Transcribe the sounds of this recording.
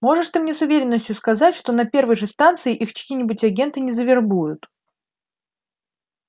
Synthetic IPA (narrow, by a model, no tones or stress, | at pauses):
mo̞ʐɨʂt̪ɨmnʲe̞sʊvʲeɾʲɪnːəsʲtʲjʊskɐzatʲʂt̪o̞nɐpʲe̞rvəjʐɨst̪ant̪sɨɪʔixkɐkʲiːnʲɪbʊtʲɐɡʲe̞nt̪ɨnʲɪzəvʲɪrbujʊt̪